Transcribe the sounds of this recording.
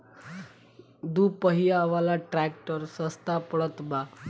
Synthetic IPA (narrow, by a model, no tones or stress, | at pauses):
d̪upəɦijaʋalaʈɾæk̚ʈəɾsəst̪apəɭət̪ba